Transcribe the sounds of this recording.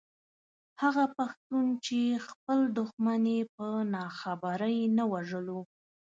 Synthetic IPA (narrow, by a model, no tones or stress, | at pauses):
haɣapaxt̪unt͡ʃexpəld̪ʊxmanepənɑxabaɾəjnawaʒəlo